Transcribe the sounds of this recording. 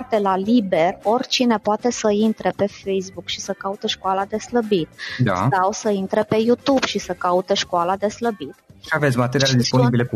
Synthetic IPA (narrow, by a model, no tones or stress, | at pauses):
t̪elalibe̞ro̞rʲt͡ʃine̞poat̪e̞səint̪ɾepe̞fejs̬bukʃisəkaut̪eʃkoalad̪e̞sləbit̪d̪a̰sawsəint̪ɾepe̞jut̪ubʃisəkaut̪eʃkoalad̪e̞sləbit̪ʃiave̞t̪sʲmat̪eɾiaed̪ispo̞nibilek